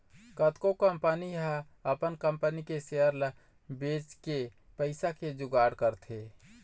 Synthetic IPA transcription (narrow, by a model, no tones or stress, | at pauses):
kət̪kokəmpəniɦa | əpənkəmpənikesejəɾlə | bet͡ʃke | pəɪsaked͡ʒʊɡaɽkəɾt̪ʰe